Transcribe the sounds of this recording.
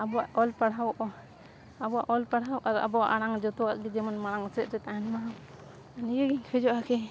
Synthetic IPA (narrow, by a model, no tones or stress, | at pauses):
abɔwaʔɔlpaɽ̤awʔɔ | abɔwaʔɔlpaɽ̤awʔaɾa̰bɔaʔaɽaŋd͡ʒɔt̪ɔwaʔɡid͡ʒɛmanmaɽ̃aŋɔsɛt̪̚ɾɛt̪aɦanmaɦa | anijɔɡiŋkʰɛd͡ʒɔʔakɛ